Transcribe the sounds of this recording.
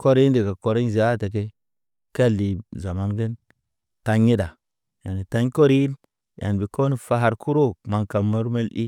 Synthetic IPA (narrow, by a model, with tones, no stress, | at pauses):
ko˦ɾi˦di˨ka˨ko˨ɾi˦ɲ˦za˦˨te˨k̬e˦ | ke˦˨lːi˨za˨ma˦nɡə˦n | ta˦ɲːi˦da˨ | ja˨ni˨ta˦ɲ˦ko˦ɾi˦n | ja̰˨nbi˨ko˦ni˨fa˨ɦa˨ɾkʰu˦ɾo˦ma˨ŋka˨mə˦ɾme˦lɗḭ˦